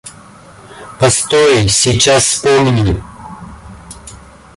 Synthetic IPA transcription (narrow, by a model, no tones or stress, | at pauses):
pɐst̪ojɪsʲit͡ɕasspomʲnʲi